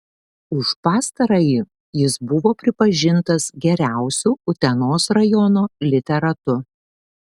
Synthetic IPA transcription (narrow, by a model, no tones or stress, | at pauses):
ʊʃpɑːst̪ɐɾɐjiː | jɪsbʊʋoːpʲɾʲɪpɐʒʲɪnt̪ɐsɡʲɛɾʲæˑʊsʲuːʊt̪ʲɛnoːsɾɐjɔnoːlʲɪt̪ʲɛɾɐt̪ʊ